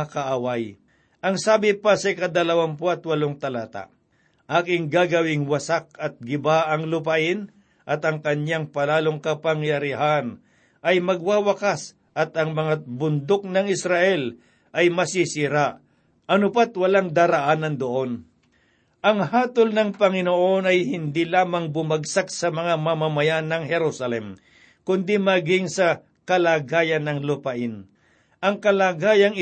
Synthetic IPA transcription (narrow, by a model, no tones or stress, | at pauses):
akɐʔawaj | ʔɐŋsaːbɪpasɐɪkɐd̪ɐlɐwanpoɐt̪wɐloŋt̪ɐlaːt̪a̰ | ʔaːkɪŋɡaːɡɐwɪŋwɐsak̚ɐt̪̚ɡɪbaʔɐŋlʊpɐaʔɪn | ʔɐt̪ɐŋkɐɲaŋpɐlaːloŋkɐpɐŋjɐɾɪɦan | ʔɐjmɐɡ̚waːwɐkas | ʔɐt̪ɐŋmɐŋabʊnd̪ok̚nɐŋɪsɾaʔɛl | ʔɐjmɐsisɪɾaʔ | ʔɐnʊpat̪wɐlaŋd̪aːɾɐʔanɐnd̪oʔon | ʔɐŋhaːt̪olnɐŋpɐŋɪnoʔonɐjhɪnd̪ilaːmɐŋbʊmaɡsak̚sɐmɐŋamɐmamɐjanɐŋhɛɾusɐlɛm | kʊnd̪imaɡɪŋsɐ | kɐlaːɡaːjɐnːɐŋlʊpɐʔɪn | ʔɐŋkɐlaːɡaːjɐŋ